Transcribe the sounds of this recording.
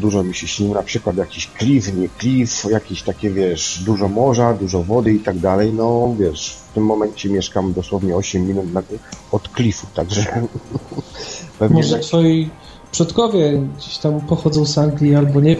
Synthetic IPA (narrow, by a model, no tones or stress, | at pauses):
d̪uʐɔmʲiɕɛɕɲiwnapʂɘkwat̪jakʲiɕklʲifɲɛklʲifjakʲeɕt̪akʲɛvʲjɛʂd̪uʐɔmɔʐad̪uʐɔvɔd̪ɘit̪aɡd̪alɛjnɔvʲjɛʂft̪ɘmːɔmɛɲt͡ɕɛmʲjɛʂkamd̪ɔswɔvɲɛɔɕɛmʲːinut̪naɔt̪klʲifut̪aɡʐɛ | pɛvɲmɔɛʒɛt̪fɔji | pʂɔt̪kɔvʲjɛɡd͡ʑeɕt̪ampɔxɔd̪zɔ̃w̃zaŋɡlʲialbɔɲɛ